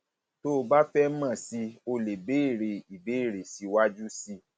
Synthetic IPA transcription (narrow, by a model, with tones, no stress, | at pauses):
to˦ba˦fɛ˦mã˦˨si˧o˧le˨be˨˦i˦˨ɾe˧˨i˨be˨˦i˦˨ɾe˨si˧wa˦d͡ʒu˦si˦